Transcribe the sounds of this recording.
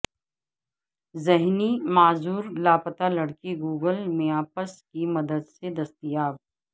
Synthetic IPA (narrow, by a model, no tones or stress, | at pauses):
zeɦnimaːzuːɾlaːpət̪alɐɽkiɡuːɡəlmẽaːpəskimɐd̪əd̪sed̪ɐst̪ijaːb̚